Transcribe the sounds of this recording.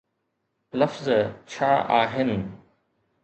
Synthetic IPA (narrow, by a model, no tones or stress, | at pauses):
lɐfzt͡ɕʰaːʔaːɦɪnɪ̆